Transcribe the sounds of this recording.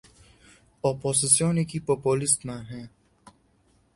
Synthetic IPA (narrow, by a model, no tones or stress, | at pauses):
ɔːpoːsɪsijõnekipoːpoːlɪst̪mãɦɛ̃ː